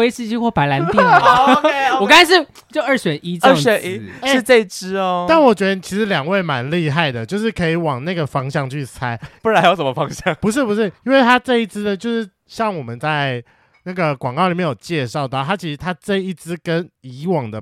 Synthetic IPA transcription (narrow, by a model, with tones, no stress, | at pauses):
e˥ɪsɻ̩˥˧t͡ɕʰi˥˧xwɔ˥˩pa˧˥ɪla˧˦npi˥˩ŋ˨wɔ˨˩ka˥a˧˥ɪʂ̬ɻ̩˥˩ | t͡ɕjo˥˧ʊʔə˥˩ʂɥɛ˨˩nʔi˥t͡sə˥ɥɛ˨˩i˥ʂɻ̩˥˧ʈ͡ʂe˥˧i˥ʈ͡ʂɻ̩˥ɔ˧t̪a˥˩nwɔ˨˩t͡ɕɥɛ˧˥d̪ə˧t͡ɕʰi˧˥ʂɻ̩˧˥ljɑ˨˩ŋwe˥˩ɪma˧˦nli˥˧xa˥˩ɪd̪ə˩t͡ɕjo˥˧ʊʂɻ̩˥˩kʰɤ˧˥i˨˧˩wɑ˨˩ŋna˥˩ɡə˩fɑ˥ŋɕjɑ˥˧ŋt͡ɕʰy˥˩sʰa˥ɪpu˥˩ɻa˧˦njo˧˥ʊʂə˧˩mə˧fɑ˦˥ŋɕjɑ˥˨ŋpu˧ʂ̬ɻ̩˥˩pu˧˦ʂɻ̩˥˩i˥nwe˥˩ɪt̪ʰa˥ʈ͡ʂɤ˥˧i˥˩t͡sʰɹ̩˥d̪ə˨t͡ɕjo˥˧ʊʂɻ̩˥˧ | ɕjɑ˥˩ŋwɔ˨˩mə˨nt͡sa˥˩ɪ | na˥˩ɡə˩kwɑ˨˩ŋkɑ˥˩ʊli˨˩mjɛ˥˩jo̰˨˩t͡ɕjɛ˥˧ʂɑ˥˧ʊt̪ɑ˥˨ʊa˥t͡ɕʰi˧˥ʂɻ̩˧t̪ʰa˥ʈ͡ʂɤ˥˧i˥˩t͡sɹ̩˥kə˦ni˧˥˦wɑ˨˩ŋd̪ə˩